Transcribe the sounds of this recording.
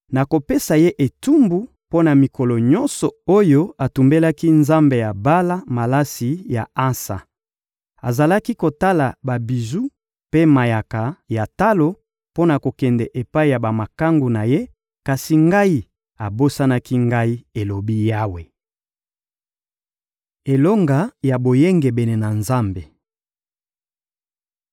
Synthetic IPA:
na˨ko˨pe˦sa˨je˦ʔe˨tu˦mbu˨ | po˦na˨mi˨kɔ˨lɔ˨ɲɔ̃˦nsɔ˨o˦jo˦a˨tu˨mbe˦la˦ki˦nza˦mbe˨ja˨ba˦la˦ma˨la˦si˨ja̰˨a˦nsa̰˨ | a˨za˨la˦ki˦ko˨ta˦la˨ba˨bi˨zu˦ | pe˦ma˨ja˨ka˨ja˨ta˦lo˦ | po˦na˨ko˨kɛ˨ndɛ˨ʔe˨pa˦i˨ja˨ba˨ma˨ka˦ŋɡu˨na˨je˦ | ka˨si˨ŋɡa˦i˦ | a˨bo˦sa˦na˦ki˦ŋɡa˦i˦e˨lo˨bi˦ja˦we˨ | e˨lo˦ŋɡa˨ja˨bo˨je˦ŋɡe˨bɛ˨ne˨na˨nza˦mbe˨

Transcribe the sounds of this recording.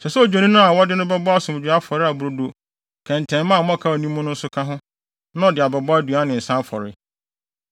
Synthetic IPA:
sɛ˨sɛ˦o˨d͡ʑᶣo˨nĩ˦nʊ̃˦a˨wɔ˦dɪ˦nʊ̃˦bɛ˦bɔ˦a˦sʊ̃˨m˨d͡ʑᶣa˦fɔ˨ɾɪ˦a˨bʊ˨ɾo˨do˨ | kʰɛ̃˨n˨tʰɛ̃˨˦mã˦˨m̃˦ã˦kʰa˦˨nĩ˦mʊ̃˦nʊ̃˦n̩˦sʊ˦kʰã˦ɦʊ̃˦ | nã˦ɔ˨dɪ˨a˨bɛ˨bɔ˦a˦du˨a˦nɪ̃˨n̩˨sã˦fɔ̰˨ɾɪ̰˦

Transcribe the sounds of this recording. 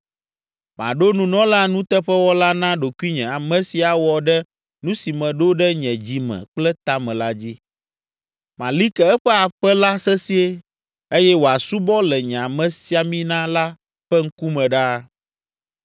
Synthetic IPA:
mã̰˨ɖo˦nũ˦nɔ̃˦la˦nũ˦t̪ɛ˦ɸɛ˦wɔ˦la˦nã˦ɖo˨ku˦i˦ɲɛ̃˨a˨mɛ̃˨si˨a˨wɔ˨ɖɛ˦ | nũ˦si˨mɛ̃˨ɖo˦ɖɛ˦ɲɛ̃˨d͡ʑi˨mɛ̰̃˨k͡plɛ˦t̪a˦mɛ̃˨la˦d͡ʑi˦ | mã̰˨li˦kɛ˨ɛ˦ɸɛ˦a˨ɸɛ˦la˦sɛ˦si˦e˦ | e˦jɛ˦wo˨a˨su˦bɔ˦lɛ˨ɲɛ̃˨a˨mɛ̃˨si˦a˨mĩ˦nã˦la˦ | ɸɛ˦ŋ̩˦ku˦mɛ̃˨ɖa˦

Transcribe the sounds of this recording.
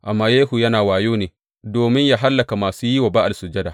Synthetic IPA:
ʔa˨mːaː˦jeː˦hu˨jɐ˦naː˨waː˨joː˦neː˨ | doː˨mɪ˦ɲjaː˦ɦa˦lːɐ˨ka˨maː˨suː˦ji˦wɐ˨ba˦ʔa˨lsʊ˨d͡ʒɐ˦daː˨

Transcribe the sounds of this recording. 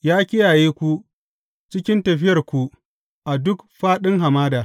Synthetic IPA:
jaː˦kʲɪ˦jaː˨jeː˦kʷu˦ | t͡ʃɪ˦kʲɪ˦ntɐ˨ɸɪ˦jɐ˨rkʷu˦ | ʔa˨dʊ˦kɸaː˦ɗɪ˦ŋɦa˨maː˦daː˨

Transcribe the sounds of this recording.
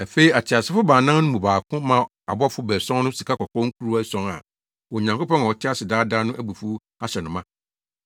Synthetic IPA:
æ˨fe˦i˦a˨tʰɪ˨a˨sɪ˦fʊ˦baː˨nã˦ŋnʊ̃˦mũ˨baː˨kʰʊ̃˦mã˦ | a˨bɔ˦fʊ˦bɛː˨sɔ̃˦nʊ̃˦si˨kʰa˦kɔ˨kʰɔ̃˦ŋ̩˦kʰu˦ɾu˦a˦sɔ̃˨ŋa̰˨ | wɔ˨ɲã˨ŋko˦pʰɔ̃˦ŋ˨ɔ˨tʰɪ˦a˦sɪ˨daː˦da˦nʊ̃˦ʔæ˦bu˨fu˦ | a˦ɕɛ˨nʊ̃˨mã˦

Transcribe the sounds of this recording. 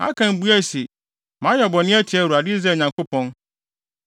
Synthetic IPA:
ma̰˦kʰã˨m˨bu˦æ˦˨si˨ | mã˨˦jɛ˨bɔ˨nɪ̃˦ɛ˦tʰɪ˨ɛ˦˨u˨a˨dɪ˦zɛ˦˨ɲã˨ŋkʰo˦pʰɔ̃˦n

